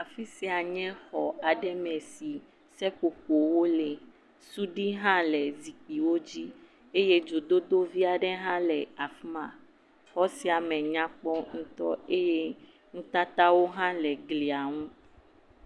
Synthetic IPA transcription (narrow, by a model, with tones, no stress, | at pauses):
a˨fi˦si˦a˨ɲɛ̃˦xɔ˨a˨ɖɛ˦mɛ̃˨si˨ | sɛ˦k͡po˨ko˨wo˦le˨ | su˦ɖi˦ɦã˦lɛ˨zi˨k͡pi˨wo˦d͡ʑi˦ | e˦je˦d͡ʒo˨d̪o˦d̪o˦vi˦a˨ɖɛ˦ɦã˦lɛ˨a˨fmã˨ | xɔ˦si˦a˨mɛ̃˨ɲã˦k͡pɔ˦ŋũ˦t̪ɔ̰˦e˦je˦ | ŋũ˦t̪a˦t̪a˦wo˦ɦã˦lɛ˨ɡli˨a˨ŋũ˦